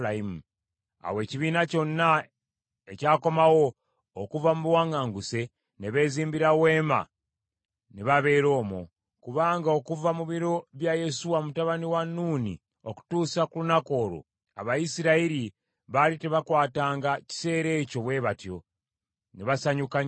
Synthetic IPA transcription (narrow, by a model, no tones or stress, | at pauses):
aimu | a̰we̞ːciβiːnaco̞nːa | ecaːko̞mawo̞ | okuvamuβwaːŋɡaːŋɡuse̞ | neβe̞ːziːmbiɾawe̞ːma̰ | neβaβe̞ːɾo̞ːmwo̞̰ | kuβaːŋɡaokuvamuβiɾo̞βjaje̞suwamutaβaniwanːuːnḭ | oku̥tuːsakulunako̞ːɾo̰ | a̰βajisiɾaiɾi | βaliteβakwaːtaːŋɡaci̥se̞ːɾe̞ːco̞βwe̞ːβatjo̞̰ | neβasaɲukaɲ